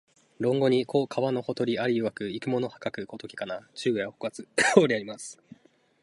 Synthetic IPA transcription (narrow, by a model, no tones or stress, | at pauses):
ɾõ̞ŋɡo̞ɲ̟ikʰo̞ːkʰaβano̞ho̞t̪o̞ɾʲiaɾʲiɯβakɯ̟ikɯmo̞no̞hḁkakɯ̟kot̪o̞kʲi̥kanat͡ɕɨːɡɯjahokɯβat͡sɨoːɾʲiaɾʲimasɨ̥